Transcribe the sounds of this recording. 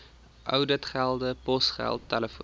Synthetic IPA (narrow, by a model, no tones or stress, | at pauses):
ʔœ̰wdətχælˠdəpɔsχæ̰lˠtːæləf